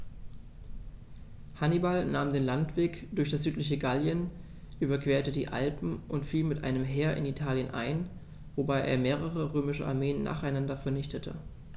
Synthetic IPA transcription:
hanibalnaːmdeːnlantv̥eːkd̥ʊɐçd̥asz̥yːtlɪç̬əɡaljən | ʔyːbɐkv̥eːɐtədḭːʔa̰lpm̩ʔʊntfiːlmɪtʔa̰ɪnəmɦeːɐʔɪ̰nitʰaːljənʔa̰ɪn | vobaɪʔḛːɐmeːʁəʁ̞əʁøːmɪʃəʔa̰ɐmeːənːa̰ːχaɪnandɐfɛɐnɪçtətʰə̰

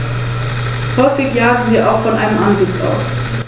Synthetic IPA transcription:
hɔʏfɪçjaːʁn̩viːɐʔaʊxfɔnʔaɪnəmʔanzɪt͡sa̰ʊs

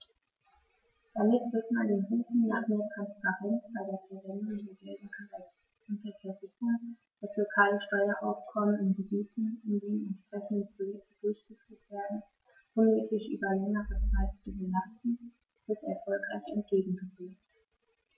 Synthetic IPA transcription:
d̥amɪtv̥ɪɐtmandeːnʁuːtn̩naːχmeːɐtʁ̥anspaʁɛnt͡sb̥aɪdeːɐfɛɐvɛndʊŋdeːɐɡɛldn̩kʰaʁa | ʊnt̚d̥eɐfɛɐzuːçʊŋ | d̥ɛslokʰaːləʃtɔʏɐʔa̰ʊfkʰɔmənɪnɡəbiːtn̩ɪndiːnɛntpʁ̥ɛçn̩dəpʰolɛk̚təd̥ʊɐçɡ̥əfyːɐtv̥eːɐdn̩ | ʔʊnːøːtʰɪçʔy̰ːbɐlɛŋəʁət͡saɪtt͡subəlastn̩ | v̥ɪɐtɛɐfɔlkʁ̥aɪçɛnt̚ɡ̥eːɡŋ̩ɡəveːt

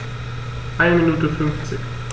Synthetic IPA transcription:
ʔaɪnəminuːtəfʏnft͡sɪç

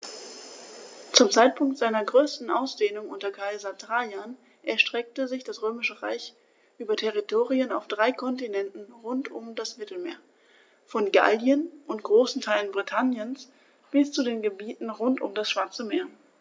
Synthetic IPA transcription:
t͡sʊmt͡saɪt̚pʰʊŋktz̥aɪnɐɡʁøːstn̩ʔa̰ʊsd̥eːnʊŋʔʊntɐkʰaɪzɐtʁajan | ʔɛɐʃtʁ̥ɛk̚təzɪçd̥asʁøːmɪʃəʁa̰ɪç | ʔyːbɐtʰɛʁitʰoːʁiənaʊfd̥ʁaɪkʰɔntinɛntn̩ʁʊntʊmdasmɪtl̩meːɐ | fɔnɡa̰ldjənʔʊntɡ̥ʁoːsn̩tʰaɪlənbʁitʰanjəns | b̥ɪst͡sudeːnɡəbiːtn̩ʁʊntʊ̰mdasʃv̥aɐt͡səmeːɐ

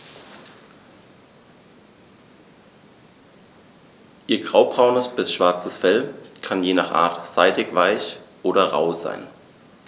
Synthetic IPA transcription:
ʔiːɐɡ̥ʁaʊbʁaʊnəsb̥ɪsʃv̥aɐt͡səsfɛlkʰanjeːnaːχʔa̰ːɐtz̥aɪdɪkv̥aɪçʔoːɾɐʁa̰ʊza̰ɪn

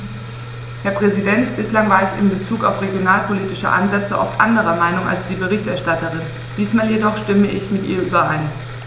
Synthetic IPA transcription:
hɛːɐpʁ̥ɛzidɛntb̥ɪslaŋvaːɐɛçɪ̰mbət͡suːka̰ʊfʁeɡjonaːlpʰoliːtɪʃə̰ʔa̰nzɛt͡səʔɔ̰ftʔa̰ndəʁɐmaɪnʊŋʔa̰lsd̥iːbəʁ̞ɪçtʔɛɐʃtatəʁɪn | d̥iːsmaːljedɔχʃtɪməʔɪçmɪtʔḭːɐʔyːbɐʔaɪn

